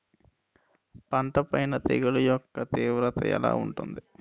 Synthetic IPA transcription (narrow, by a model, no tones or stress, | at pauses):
pɐɳʈɐpɐjnɐt̪eɡulujɔkːɐt̪iːʋɾɐt̪ɐ̰ɛ̰la̰ːuɳʈund̪i